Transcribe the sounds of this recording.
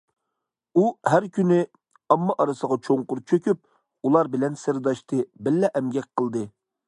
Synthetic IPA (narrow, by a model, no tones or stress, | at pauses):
uhæɾkʲynɪ | ɑmːɑʔɑɾɨsəʁɑt͡ʃʰoŋqʊɾt͡ʃʰøkʲyp̚ | ulˠɑɾbɪlɛnsɪɾd̪ɑʃt̪ɨbɪlːɛʔɛmɡʲɛk̚ʲqʰəlˠd̪ɨ